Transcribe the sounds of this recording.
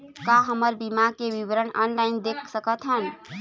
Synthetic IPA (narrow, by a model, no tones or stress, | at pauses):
kaɦəməɾbimakeʋɪwɾəɳa̰ːnlaːɪnd̪eːkʰsəkət̪ɦən